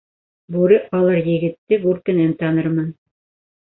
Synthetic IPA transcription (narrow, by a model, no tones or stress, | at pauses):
buɾɤɑlˠɤɾjɘ̆ɡɘ̆t̪ːɘɡʉɾkɘ̆nænt̪ɑnɤɾmɤn